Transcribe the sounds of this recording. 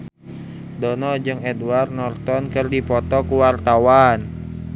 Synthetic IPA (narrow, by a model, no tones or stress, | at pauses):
dɔnɔd͡ʒɨŋɛdwarnɔrt̪ɔnkɨrdipɔt̪ɔkuwart̪awan